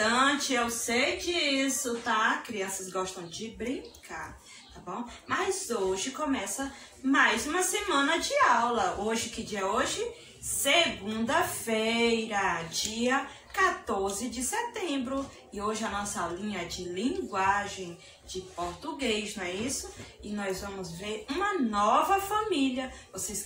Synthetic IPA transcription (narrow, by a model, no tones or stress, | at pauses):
t̪ɐ̃t͡ʃɪawseɾd͡ʒiiisʊt̪akɾiɐ̃sɐsɡɔʃt̪ɐ̃w̃d͡ʒɪbɾĩkʰaɾ | t̪abõw̃mɐjzoʒɪkõmɛsɐ | majzũmɐsemɐ̃nɐd͡ʒɪawlɐʔoʒɪkɪd͡ʒiɐoʒɪ | seɡũnd̪ɐfejɾɐd͡ʒiɐ | kat̪oɾzɪd͡ʒɪset̪ẽmbɾʊ | ɪoʒɪɐnɔsɐlĩɲɐd͡ʒɪlĩɡwaʒẽj̃ | d͡ʒɪpoɾt̪uɡejznw̃ɛisʊɪnɔjzvɐ̃mʊzveɾũmɐnɔvɐfãmiliɐvoses